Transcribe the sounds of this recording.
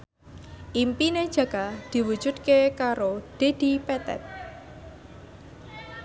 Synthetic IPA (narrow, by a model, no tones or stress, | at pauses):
ʔimpined̥ʒ̥ä̤ɡ̥ad̪̥i̤wu̥ʒ̥ṳd̪̚kekaɾod̪̥e̤d̪̥i̤pɛt̪ɛ̰t̪̚